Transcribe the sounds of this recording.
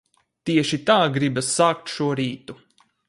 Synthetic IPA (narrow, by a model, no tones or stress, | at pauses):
t̪iɛʃit̪aːɡɾibasːaːk̚t̪ʃuɔɾiːt̪u